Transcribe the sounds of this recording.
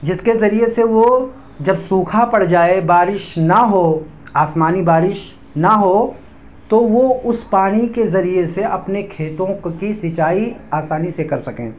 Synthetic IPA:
d͡ʒɪskezɐɾieseʋo | d͡ʒɐbsuːkʰapɐɽ̤d͡ʒaːebaːɾɪʃnɐɦo | aːsmaːnibaːɾɪʃ | nɐɦo | t̪oʋoʊspaːɽ̃ikezɐɾieseɐpnekʰeːt̪õkisɪt͡ʃaːiaːsaːnisekɐɾsɐkḛ̃ː

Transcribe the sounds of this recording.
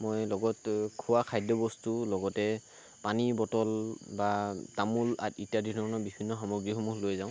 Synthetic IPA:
mojlɔɡɔtkʰuwakʰajdɔbɔstulɔɡɔtɛ | panibɔtɔlbatamula̰titjadidʱɔɹɔnɔbibʱinːɔxɔmɔɡɹiɦɔmuxlojzaʊ̃

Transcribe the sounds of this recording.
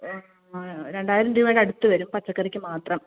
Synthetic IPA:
ɾeɳɖaːjɾɐmd̪imɐːɽɐɽut̪ːɨʋɐɾumpɐt͡ɕːɐkːɐrikʲːɨmaːt̪rɐm

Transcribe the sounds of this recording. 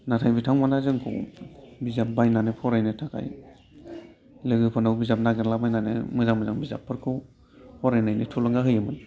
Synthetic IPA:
natʰajbitʰaŋmanazɯŋkʰɯ̰wbizap̚bajnanepʰɔɾajnetʰakʰa̰j | leɡɯpʰɔnawbizap̚naɡeɾlabajnanḛmɯzaŋmɯzaŋbiza̰pʰːɯɾkʰɯw | pʰɔɾajnajnetʰulɔŋɡaɦɯjɯmɯn

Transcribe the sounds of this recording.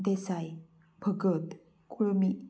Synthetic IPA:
d̪esaj | bʱəɡət̪ | kuɭmi

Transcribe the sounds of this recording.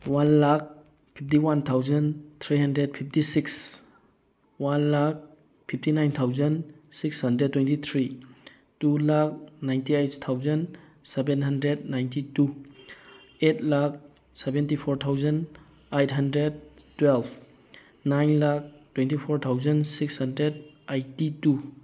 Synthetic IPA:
wanlak̚ | pʰip̚ʰtiwant̪ʰawzɐnt̪ʰɾiɦɐndɾed̚pʰip̚ʰtisiks | wanlak̚ | pʰip̚ʰtinajnt̪ʰawzənsikshɐndɾed̚tːwentit̪ʰɾi | tulak̚najntiajt̚ʰtʰawzɐn | sebenɦɐndɾed̚najntitu | etʰlak̚ | sebentipʰoɾt̪ʰawzɐn | ajt̚ʰɦɐndɾed̚twelb | najnlak̚twentipʰoɾt̪ʰawzɐnsikshɐndɾed̚ajtːitu

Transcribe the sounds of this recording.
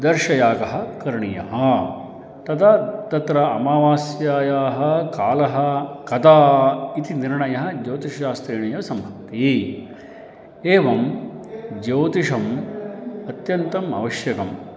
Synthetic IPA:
d̪ɐɾʃɐjaːkɐɦɐ̆kɐɾɳijɐ̰ɦɐ | t̪ɐt̪ʰat̪ɐt̪ɾɐɐmaːʋaːsjaːjaːɦɐ̆kaːlɐɦɐ̆kɐt̪aːit̪iniɾɳɐjɐɦɐ̆d͡ʒoːt̪iʂɐʃaːst̪ɾiːɳɐjɐʋsɐmbʱɐk̚t̪i | eːʋɐm | d͡ʒoːt̪iʂɐm | ɐt̪jɐnt̪ɐmɐ̰ʋɐʃjɐkɐm

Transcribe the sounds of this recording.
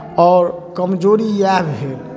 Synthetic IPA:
ɔːɾkəmd͡ʒoɾijabɦel

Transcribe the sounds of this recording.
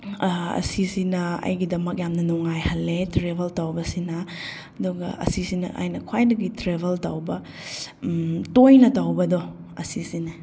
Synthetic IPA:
ɐ̰sisinɐɐ̰jɡidɐmɐk̚jamnɐnɔŋajhɐlːetɾebʱɐltɐwbɐsinɐ | ɐduɡɐ̰ʔɐ̰sisinɐ̰ʔa̰jnɐkʰwajdɐɡitɾebʱeltɐwbɐ | tojnɐtɐwbɐdɔ | ɐ̰sisinɐ

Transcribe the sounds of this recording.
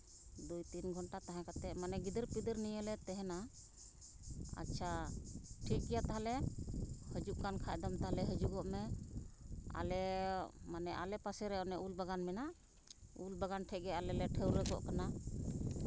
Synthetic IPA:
d̪ujt̪inɡʱɔnʈat̪aɦãkat̪ɛʔmanɛɡid̪əɾpid̪əɾnijəlɛt̪ɛɦɛna | a̰tːt͡ʃʰaʈʰik̚kɛjat̪aɦalɛ | həd͡ʒuʔkankʰaʔd̪amt̪aɦalɛɦəd͡ʒuɡɔʔmɛ | a̰lɛmanɛʔa̰lɛpasɛɾɛɔnɛʔulbaɡanmɛna | ulbaɡanʈʰɛʔ̚ɡɛalɛlɛʈʰəwɾɛɡɔ̰ʔkana

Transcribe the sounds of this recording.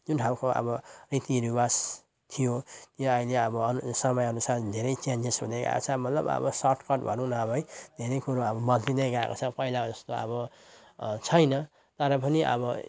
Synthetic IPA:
d͡zunʈʰawkoʔʌ̰bʌrit̪iɾibas | t̪ʰijot̪joajleʌbʌʌsʌmʌjʌnusard̪ʱeɾʌjt͡ʃand͡zesɦud̪eɡa̰ḛko̰t͡sʰʌmʌt̪lʌ̰bʌ̰bʌ̰sʌrʈkʌʈbʱʌ̰nũnʌʌbʌjd̪ʱeɾʌjkuɾoʌbʌmʌlt̪id̪eɡaḛkot͡sʰʌpʌilad͡zʌst̪oʌ̰βʌ | t͡sʰʌjnʌ | t̪ʌɾʌp̬ʌniʔʌ̰bʌ

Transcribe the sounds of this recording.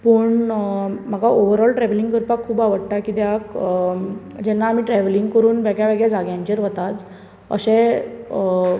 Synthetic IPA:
pəɳm̤aɡaoʋəɾɔlʈɾɛʋəliŋɡkəɾpakʰːuːbaʋəɽʈakid̪ɛak | d͡ʑɛnːaːm̤iːʈɾɛʋəliŋɡkəɾuːnʋjaɡjaʋaɡɭjad͡zaɡjãɲt͡ɕeɾʋət̪at͡s | ə̰ɕɛ̃

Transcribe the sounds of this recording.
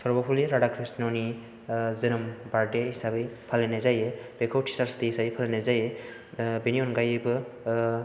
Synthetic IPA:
sɔɾbɔpʰuliɾaɽakʰɾisnɔni | zɯnɯmbaɾdeɦisabɯjpʰalenazajeb̥ekʰawtʰi̥saɾstiɦisabejpʰalenajzaje | beniɔnɡajɯbɯ

